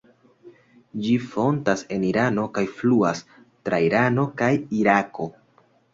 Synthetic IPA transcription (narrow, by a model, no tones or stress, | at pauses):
d͡ʒifo̞ntase̞niɾano̞kajfluas | tɾajɾano̞kajiɾako̞